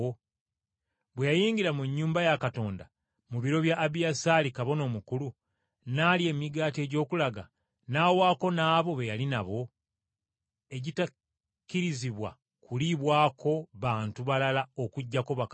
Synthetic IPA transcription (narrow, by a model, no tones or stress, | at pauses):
o | βwejajiːɲɟiɾamuɲːuːmbajakato̞ːnda | muβiɾo̞βjaʔːβijasalikaβo̞no̞ːmukulu | naːlie̞miɡaːte̞ːɟo̞ːkulaɡa̰ | naːwaːko̞naːβo̞βejalinaβo̞ | e̞ɟita | kːiɾiziβwa̰ | kuliβwaːkʰo̞βaːntuβalalao̞kuɟːakoβak